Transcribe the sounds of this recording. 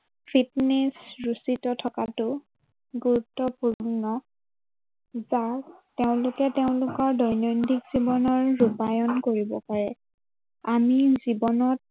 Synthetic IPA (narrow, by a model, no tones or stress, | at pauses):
pʰitnesɹusitɔtʰɔkatʊ | ɡuɹutːɔpuɹnɔ | zateʊ̃lʊkɛteʊ̃lʊkɔɹdɔjnɔjndikz̥ibɔnɔɹːupajɔnkoɹibɔ̰paɹɛ | amizibɔnɔt̚